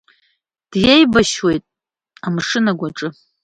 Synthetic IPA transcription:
d̥jejbaʃwe̞jtʼ | amʂɨnaɡʷaʈ͡ʂʼɨ

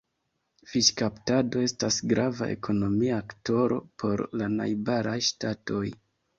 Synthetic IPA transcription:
fiʃkaptado̞e̞stasɡɾʔavaʔe̞̰kʰo̞no̞miakto̞ɾo̞̰pʰo̞ɾlana̰jbaɾʔajʃtato̞j

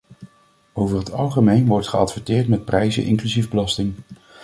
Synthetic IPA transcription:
owvəɹɦətɑlˠχəmejnʋɔɹtχəɑtfəɹtɪːɹtmɛt̚prɛjzə̰nʔɪ̰ŋklyzivbəlɑstɪŋ

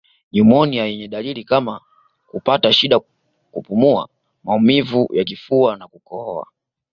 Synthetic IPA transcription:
ɲumɔnijajɛɲɛɗalilikama | kupataʃiɗa | kupumua̰ | maumivujakifuanakukɔa̰

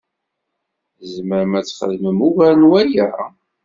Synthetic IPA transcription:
zməɾmæt͡sːχə̰ðməmuvæɾnwæjæ

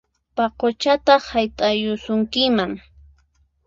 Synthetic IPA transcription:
paqot͡ʃat̪ɑχhajt̪ʼajʊsʊŋkɪmaŋ

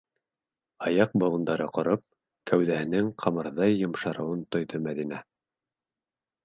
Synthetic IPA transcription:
ɑjɑq̚bɤ̆wˠɤ̆nd̪ɑɾɤqŏɾɤp̚ | kæwðæhɘ̆nɘŋqʰɑmɤ̆ɾðɑjːŏmʃɑɾɤ̆wɤnt̪ŏjðɤmæðinæ

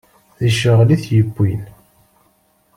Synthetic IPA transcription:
ðəʃəʁliθjəbːin

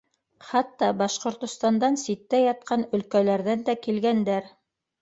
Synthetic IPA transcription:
χɑt̪ːɑbɑʃqŏɾt̪ŏst̪ɑnd̪ɑnsit̪ːæjɑt̪̚qɑnɵ̆lkælæɾðænd̪ækilɡænd̪æɾ

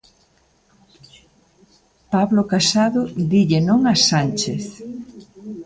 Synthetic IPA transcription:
paβlokasaðʊd̪iʎenõŋasant͡ʃeθ

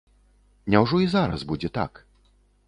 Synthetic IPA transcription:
nʲɛwʐɔizaɾa̰zbud͡zʲɛt̪a̰k

